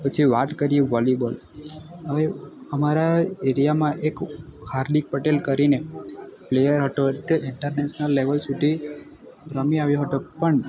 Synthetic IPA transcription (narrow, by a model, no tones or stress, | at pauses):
pət͡ʃʰiʋaʈkəɾijeʋɔlibəl | əʋeəmaɾaeɾijamãʔekhaɾɖik̚pəʈelkəɾineplejəɾɦət̪oeʈʔɪɳʈəɾneʃnəlːeʋəlsud̪ʱi | bɾəmiaʋjoɦət̪opəɳ